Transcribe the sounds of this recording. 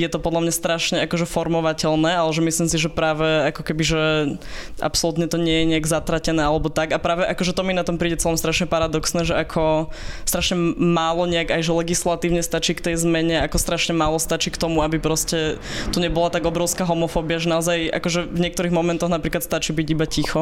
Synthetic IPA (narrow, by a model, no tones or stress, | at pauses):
jɛt̪ɔpɔd̪ʎamɲast̪ɾaʃɲɛakɔʒɛfɔɾmɔʋacɛlnɛːalɛʒɛmislimsiʒɛpɾaːʋɛakɔkɛbiʒɛ | ʔa̰psɔlut̪ɲɛt̪ɔɲɪɛjɛɲɛaɡzat̪ɾacɛnɛːalɛbɔt̪akapɾaːʋɛʔakɔʒɛt̪ɔminat̪ɔmpɾiːɟɛt͡sɛlɔmst̪ɾaʃɲɛpaɾad̪ɔksnɛːʒɛʔakʰɔst̪ɾaʃɲɛmaːlɔɲɛaɡajʒɛlɛɡislat̪iːʊɲɛst̪at͡ʃiːkt̪ɛjzmɛɲɛakɔst̪ɾaʃɲɛmaːlɔst̪at͡ʃiːkt̪ɔmuabipɾɔscɛ | t̪ɔɲɛbɔlat̪aɡɔbɾɔʊskaɦɔmɔfɔːbiaʒɛnaɔzajʔa̰kɔʒɛvɲɪɛk̚t̪ɔɾiːɣmɔmɛnt̪ɔɣnapɾiklat̪st̪at͡ʃiːbiɟibacixɔ